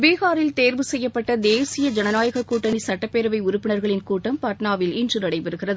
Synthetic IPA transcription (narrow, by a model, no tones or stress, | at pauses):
beːɣaːɾɪlt̪eːɾʋɯsɛjːɐpːɐʈːɐd̪eːsɪjɐd͡ʒɐnɐnaːjɐɣɐkːuːʈːɐɳisɐʈːɐpːeɾɐʋɐɪʊɾʊpːɪnɐɾɣɐɭɪnkuːʈːɐmpɐʈnaːʋɪlɪndrɯnɐɽɐɪpɛɾɯɣɪrɐðɯ